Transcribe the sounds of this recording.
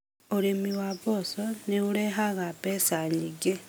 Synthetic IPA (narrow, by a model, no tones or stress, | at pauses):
uɾemiwaβosoneuɾeɦaɣapesaɲiɡe